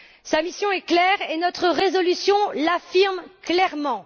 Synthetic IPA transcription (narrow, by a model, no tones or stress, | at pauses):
samisjɔ̃ɛklɛːʁenɔt̪χəʁezɔlysjɔ̃lafiʁmklɛʁmɑ̃